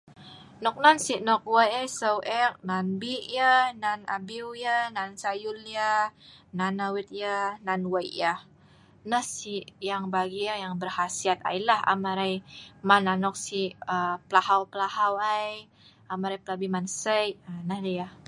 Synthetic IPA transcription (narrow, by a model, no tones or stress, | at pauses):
nɔk̚nansinɔk̚wəjasəwʔɛk̚nanbiʔjənana̰biwjənansajulijananawit̪̚jənanwajjə | nəhsijaŋbaɡijajaŋbərhasiat̪̚a̰jlaha̰maɾajmananɔk̚sihəpəlahawpəlahawaj | amaɾajpəlabimansəjənəhlijah